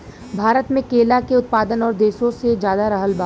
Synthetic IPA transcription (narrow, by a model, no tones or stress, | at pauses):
bʱaːɾət̪mẽkeːlakeʊt̪̚paːd̪ənɔːɾd̪eːʃõsed͡ʒjaːd̪aɾɐɦəlbaː